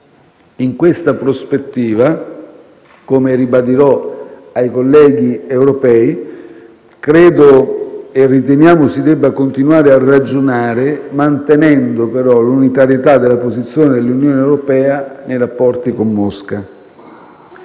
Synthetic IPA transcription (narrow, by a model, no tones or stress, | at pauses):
iŋkwest̪apɾospet̪ːiːva | komeɾibad̪iɾɔajkolːɛːɡiewɾopɛːi | kɾɛːd̪oerːit̪enjaːmʊsid̪ɛbːakont̪inwaːɾearːad͡ʒonaːɾemant̪enɛnd̪opeɾɔlunit̪aɾjet̪ad̪ːelapozit̪sːjoːned̪elːunjoːneewɾopɛːanejɾapːɔrt̪ikomːɔska